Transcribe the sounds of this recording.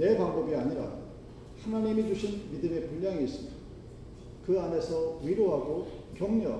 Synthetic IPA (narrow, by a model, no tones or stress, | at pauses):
ne̞paŋbʌbiaɲiɾa̰ | hanaɲimid͡ʑuɕʰinmidɯme̞puʎːaŋiːs͈ɯmida | kɯane̞sʰʌɥiɾoɦaɡokjʌŋɲʌ